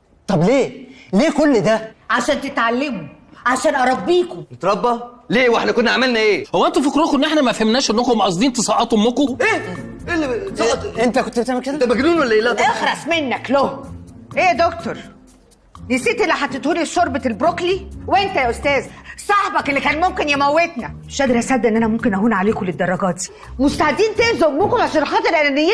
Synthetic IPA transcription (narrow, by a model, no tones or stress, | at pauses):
t̪ˤɑbleːleːkolːd̪æʕaʃæːnt̪et̪ʕalːemo | ʕaʃæːnʔɑɾˤɑbːiːkonet̪ɾˤɑbːɑleːweħnækonːæʕamælnæʔeːhowːæʔent̪ufokɾokʔenːʔeħnæmæfhæmnæːʃʔenːækmːæʔɑs̬ˤd̪iːnt̪esˤɑʔɑːt̪homːokoʔeːʔelːisɑʔent̪ækont̪ːet̪æmːæked̪æbæɡnuːnwælːæʔeːlæexɾˤɑsˤmenːækloʔeːd̪okt̪oɾˤ | nisiːt̪ʔelːiħat̪ːet̪huːlisoɾbet̪elbɾokliwʔent̪æʔost̪æːzsˤɑħbɑkelːikæːnmomkenjæmæwːet̪næmeʃʔæd̪eɾʔæsæd̪ːʔenːʔænæmomkenʔæɦuːnʕaleːkoled̪ːɑrˤːɑɡɑːt̪i̥ | most̪aʕed̪ːiːnt̪ezoʔmːokomaʃænħɑːt̪ˤeɾʔenːenːj